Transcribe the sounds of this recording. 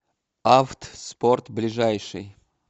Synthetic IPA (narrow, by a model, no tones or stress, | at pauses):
aft̪sport̪blʲɪʐajʂɨ̰j